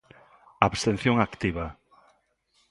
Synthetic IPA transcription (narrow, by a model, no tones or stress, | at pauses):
aβst̪en̟θjoŋakt̪iβɐ